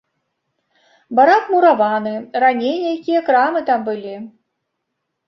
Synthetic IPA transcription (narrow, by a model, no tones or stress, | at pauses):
baɾak̪muɾavanɨranʲejnʲɐjakʲijɐkɾamɨt̪ambɨlʲi